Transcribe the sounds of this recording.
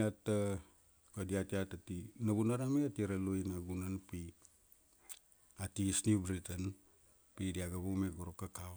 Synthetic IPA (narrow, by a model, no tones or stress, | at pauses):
atːa | kodiatiatatinaβunaɾameatiɾelujnaɡunanpi | atisnibɾitan | pidiaɡaβumeɡuɾokːakaw